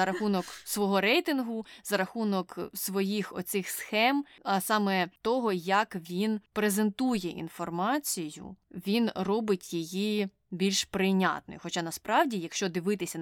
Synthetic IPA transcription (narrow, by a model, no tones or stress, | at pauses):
ɐɾɐxunɔksʋɔɦɔɾɛjt̪ɪnɦʊzɐɾɐxunɔksʋɔjixɔ̰t̪sɪxsxɛmɐsɑmɛt̪ɔɦɔjɐkʋʲinpɾezent̪ujɛʔḭnfɔrmɑt͡sʲijʊ̰ʋʲinrɔbɪtʲjeji | bʲilʲʃpɾɪnʲɑ̰t̪̚nɔ̰jʊxɔt͡ʃɑnɐspɾɑʋdʲijɐkʃt͡ʃɔd̪ɪʋɪt̪ɪsʲɐ